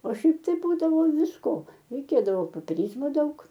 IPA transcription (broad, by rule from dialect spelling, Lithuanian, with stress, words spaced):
oː ˈʃʲɛɪp tɐɪ ˈbuːdɐʋoː ʋʲɪsˈkoː rʲɛɪˈkʲeːdɐʋoː poːpʲɛˈrʲiːzmoː ˈdɐʊk